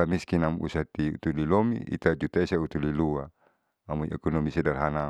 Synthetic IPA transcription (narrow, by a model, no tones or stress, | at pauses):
amiskinamṵsat̪iṵt̪ulilomḭʔḭt̪ad͡ʒut̪aisaut̪ulilua | amuiʔɛkɔnomisɛdalɦana